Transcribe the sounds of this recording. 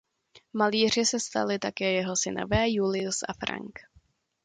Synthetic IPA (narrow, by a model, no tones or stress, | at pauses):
maliːr̝ɪsɛst̪a̰lɪt̪akɛːjɛɦo̞sɪno̰vɛːjulɪusʔafɾa̰ŋk